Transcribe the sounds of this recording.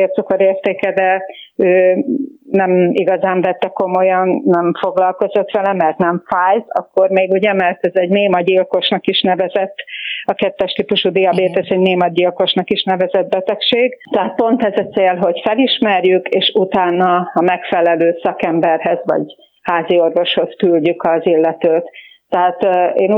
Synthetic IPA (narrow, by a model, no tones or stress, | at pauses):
ert̪sokoɾeːrt̪eːkɛd̪ɛøː | nɛmiɡɒzaːɱvɛt̪ːɛko̞mo̞jɒnːɛmfo̞ɡlɒlko̞zo̞t̪ʋɛlɛmɛrt̪nɛɱfaːjt̪ɒ̰kːo̞rmeːɡuɟɛmɛrt̪ɛzɛɟneːmɒɟilko̞ʃnɒkiʃnɛvɛzɛt̪ːɒkɛt̪ːɛʃt̪iːpuʃud̪iɒbeːt̪ɛzɛɟneːmɒɟilko̞ʃnɒkiʃnɛvɛzɛd̪̚bɛt̪ɛkʃeːɡt̪ɛɦat̪̚po̞nt̪ɛzɒtt͡sseːlɦo̞ɟfɛliʃmɛrjykeːʃut̪aːnːɒmɛkfɛlɛløːsɒkɛmbɛrɦɛzʋɒ̰ɟ | haːzio̞rvo̞ʃho̞skylɟykɒzilːɛt̪øːt̪ː | ɛɦaːt̪eːn